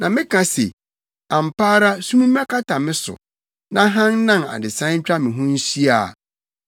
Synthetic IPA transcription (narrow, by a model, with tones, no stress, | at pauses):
nã˨mɪ̃˦kʰã˨sḛ˨ | ã˨m̩˨pʰaː˦ɾa˦sũ˦mũ˦m˦ã˦kʰa˦tʰa˨mɪ̃˦sʊ̰˨ | nã˦ɦã˦n˦nã˦˨na̰˨dɪ˨sã˦ɲ̩˦t͡ɕᶣɾa˦mɪ̃˨ɦʊ̃˦n̩˦si˦a˨